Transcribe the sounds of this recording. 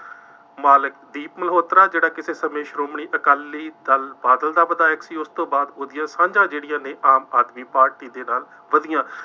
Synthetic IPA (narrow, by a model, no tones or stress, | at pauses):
maːlɪkd̪iːpməlɦoːt̪ɾaːd͡ʒeːɽaːkɪseːsəmeːʃɾoːmɳiːʔəkaːlːiːd̪əlbaːd̪əld̪aːʋəd̪aːɪksiːʊst̪õːbaːd̪oːd̪ɪjãːsãːɲd͡ʒãːd͡ʒeːɽɪjãːnẽːʔaːmaːd̪miːpaːɾʈiːd̪eːnaːl | ʋəd̪ɪjãː